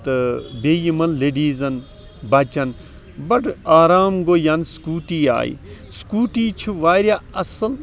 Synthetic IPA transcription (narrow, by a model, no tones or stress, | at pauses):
t̪ɐbeːjimɐnleɖiːzɐn | bɐt͡ʃɐn | bɐʈaːɾaːmɡoːjɐnskuːʈiːa̰ːḭ | skuːʈiːt͡ʃʰuʋaːɾjaːɐsɐl